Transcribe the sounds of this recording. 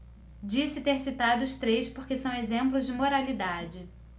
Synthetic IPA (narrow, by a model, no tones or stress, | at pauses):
d͡ʒisɪt̪eɾsit̪ad̪ʊʊst̪ɾejspoɾkesɐ̃w̃ezẽmplʊzd͡ʒɪmoɾalid̪ad͡ʒɪ